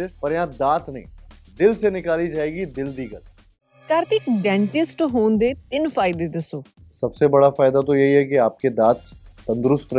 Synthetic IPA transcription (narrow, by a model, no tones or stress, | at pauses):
epɐɾjãːd̪aːt̪nɐḭ̃ːd̪ɪlsenɪkaːlid͡ʒaːeːɡid̪ɪld̪iːɡəl | kəɾt̪ɪkɖɛ̃ːɳʈɪsʈɦoːnd̪eːt̪ɪnfʰaːɪd̪eːd̪ɪsoː | sɐbsebɐɽafaːɪd̪at̪̬ojɐɦiɦɛkiaːp̚ked̪aːt̪ːɐ̃nd̪ʊɾʊst̪ɾ